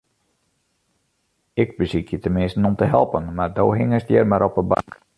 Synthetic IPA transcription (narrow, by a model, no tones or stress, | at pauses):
ɪɡbəsikjətənmɪstn̩ɔmtəɦɛlˠpənmardowɦɪŋəsdjɛrmaɾɔpəba̰ŋk